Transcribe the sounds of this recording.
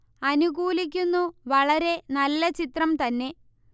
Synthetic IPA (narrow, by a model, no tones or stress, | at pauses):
ɐnuɣuːlik̬ʲːunːuʋɐɭɐɾe̞nɐlːɐt͡ɕit̪rɐmt̪ɐnːe̞